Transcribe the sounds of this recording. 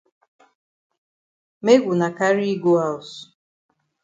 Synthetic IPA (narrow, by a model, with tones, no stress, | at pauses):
me˦ɡu˨na˨ka˦ɾi˦ɡu˦a˨s